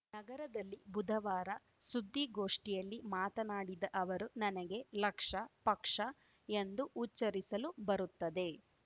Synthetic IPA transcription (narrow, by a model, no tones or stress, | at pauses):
nɐɡɐɾɐd̪ɐlːibud̪ʱɐʋaːɾɐ | sud̪ʱːiɡo̞ːʂʈijɐlːimaːt̪ɐnaːɽid̪ɐʔɐʋɐɾunɐnɐɡe̞lɐkʂɐpɐkʂɐ | end̪uʔːt͡ʃɐɾisɐlubɐɾut̪ːɐd̪e̞